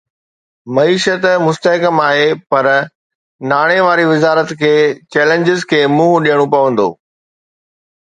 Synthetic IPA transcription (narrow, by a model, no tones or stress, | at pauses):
mɐiːʃət̪mʊst̪əɦkəmaːɦepɐɾ | naːɽ̃eʋaːɾiʋɪzaːɾət̪kʰeːt͡ɕɛːlẽɲd͡ʑɪzkʰeːmuːɦɗijəɽ̃opɐʋə̃nd̪o̰ː